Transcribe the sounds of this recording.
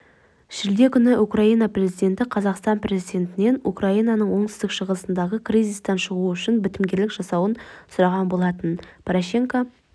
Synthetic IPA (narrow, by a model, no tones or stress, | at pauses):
ʒ̥ɪld̪e̞kʲʰʏnɪʔukraijnɑpre̞zijd̪ʲe̞nt̪ɪqʰɑzɑqst̪ɑnpre̞zijd̪ʲe̞nt̪ɪne̞nṵkraijnɑnəɴwo̞ɴsɪzd̪ɪkʃəʁəsənd̪ɑʁəkʰrijzist̪ɑnʃəʁuʏʃɪnbɪt̪ɪmɡʲe̞ɾlɪkʒ̥ɑsɑwənsʊɾɑʁɑnbo̞lˠɑt̪ənpʰoɾoʃe̞ŋka